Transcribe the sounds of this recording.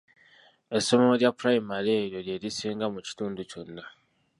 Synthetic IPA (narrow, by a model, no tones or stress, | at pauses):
e̞so̞moljapɾaimaɾieɾjo̞ɾjeɾisiːŋɡamuci̥tuːnduco̞nːa